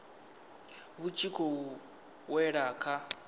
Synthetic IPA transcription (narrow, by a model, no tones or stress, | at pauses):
βut͡ʃʰikʰɔ | wɛɺaːkʰa